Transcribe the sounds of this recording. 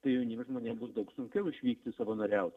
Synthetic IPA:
t̪ɐɪjɛʊnʲiːmʲʒmoːnʲeːmbʊsd̪ɐʊksʊŋʲkʲɛʊʊʃʲʋʲiːkt̪ʲɪsɑʋoːnɐɾʲɛʊt̪

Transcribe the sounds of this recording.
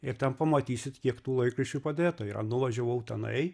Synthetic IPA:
ɪɾt̪ʲɛnpɐmɐt̪ʲiːsʲɪt̪kʲiɛkt̪uːlˠɐɪkɾɐʃʲt͡ʃʲupɐd̪ʲeːt̪ɐɪɾɐ̰nʊʋɐʒʲoʋɐʊt̪ʲɛnɐ̰ɪ

